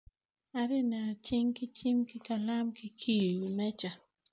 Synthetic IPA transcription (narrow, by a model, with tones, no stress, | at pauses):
a˦ɾɪ˦na˨t͡ʃɪ˦ŋkɪ˦t͡ʃi˦mkɪ˦ka˨la˦mkɪ˦kʰi˦˨ju˨mɛ˦t͡ʃa˨